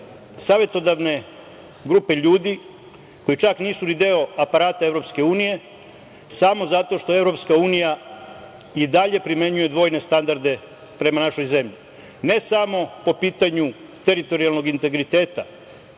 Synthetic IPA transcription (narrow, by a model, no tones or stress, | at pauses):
saːʋjet̪o̞d̪aʋne̞ | ɡɾupe̞ʎuːd̪i | ko̞jit͡ʃakniːsunid̪eoapaɾaːt̪ae̞vɾo̞pske̞uːnije̞ | samo̞zat̪o̞ʃt̪o̞evɾo̞pskauːnija | id̪aʎe̞pɾimje̞ɲuje̞d̪ʋo̞ːjne̞st̪and̪aɾd̪e̞ | pɾe̞manaʃo̞jze̞mʎi | ne̞samo̞po̞piːt̪aɲu | t̪e̞ɾit̪o̞ɾialˠno̞ɡint̪e̞ɡɾit̪eːt̪a